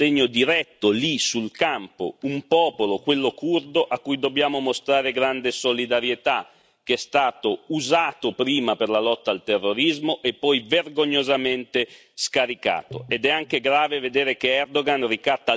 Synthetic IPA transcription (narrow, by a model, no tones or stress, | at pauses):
eɲːod̪iɾɛt̪ːolisulkampo̰umpɔːpolokwelːokurd̪oʔakːujd̪objaːmomost̪ɾaːɾeɡɾand̪esolid̪aɾjet̪a | k̟ɛst̪aːt̪ouzaːt̪opɾiːmaperlalɔt̪ːaːlt̪erːoɾizmoʔepːɔjverɡoɲːozament̪e | skaɾika̰ːt̪oed̪ɛaŋkeɡɾaːveved̪eːɾekeɛrd̪oɡanrikat̪ːa